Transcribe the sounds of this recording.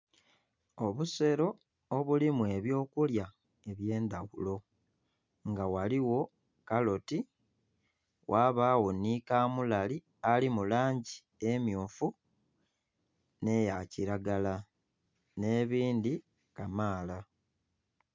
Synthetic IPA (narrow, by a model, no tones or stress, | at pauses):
o̞βuse̞ɾo̞ː | βulimwe̞βjo̞ːkulja | e̞βje̞ːnd̪aɣulo̞ | ŋɡawaliwo̞ | kalo̞ti | wʔaːβaːwo̞nikaːmulali | alimulaːɲɟi | emjuːfu | ne̞jaciɾaɡala | ne̞βiːndi | kamaːla